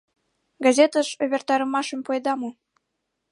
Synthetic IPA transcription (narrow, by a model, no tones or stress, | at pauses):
ɡɑzʲet̪əʃoβʲert̪ɑɾə̆mɑʃəmpoed̪ɑmo